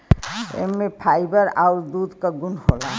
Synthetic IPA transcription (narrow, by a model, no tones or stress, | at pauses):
ḛmepʰajbəɾauɾd̪ud̪kaɡunhola